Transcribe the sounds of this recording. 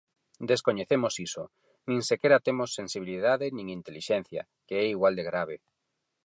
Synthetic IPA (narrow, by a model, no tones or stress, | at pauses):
d̪eskoɲeθemosiso | nĩŋsekɛɾat̪emosːensiβ̞iliðaðenĩŋint̪eliʃɛn̟θja̰ | keɛiɣwald̪eɣɾaβ̞e